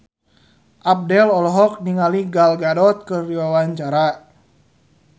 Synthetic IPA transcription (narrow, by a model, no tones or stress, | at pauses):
ʔap̚dɛlɔlɔɦɔk̚niŋaliɡalɡadɔt̪̚kɨrdiwawaɲt͡ʃaɾa